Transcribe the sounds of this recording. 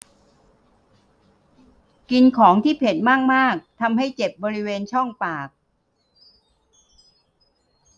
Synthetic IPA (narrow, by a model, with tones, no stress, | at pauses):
ki˧nkʰɔː˩˦ŋt̪ʰiː˥˩pʰe˨˩t̪̚maː˥˩k̚maː˥˩k̚t̪ʰa˧mha˥˩jt͡ɕe˨˩p̚bɔː˧ɾi˦˥weː˧nt͡ɕʰɔ˥˩ŋpaː˨˩k̚